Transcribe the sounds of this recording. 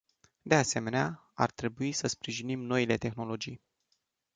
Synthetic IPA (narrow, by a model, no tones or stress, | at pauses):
d̪e̞ase̞me̞nea | a̰rt̪ɾe̞buisəspɾiʒinimno̞ile̞t̪e̞xno̞lo̞d͡ʒij